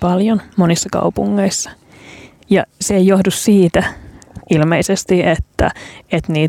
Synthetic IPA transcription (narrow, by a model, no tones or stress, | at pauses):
pɑljonmonisːɑkɑ̰upṵŋːeisːɑ̥ | jɑseejjohdussiːt̪æilmeisest̪iet̪ːæ̰et̪niː